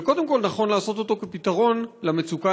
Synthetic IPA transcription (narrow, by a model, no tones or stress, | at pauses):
ko̞d̪e̞mko̞lnaχo̞nlaːso̞t̪o̞t̪o̞kepit̪aʁo̞nlamet͡suka